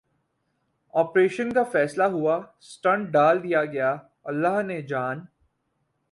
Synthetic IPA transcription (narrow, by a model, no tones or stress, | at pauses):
ɔːpɾeːʃənkafɛːslaɦʊasʈɐ̃ɳʈ̚ɖaːld̪ijaɡɐja | ɐlːaːɦned͡ʒaːn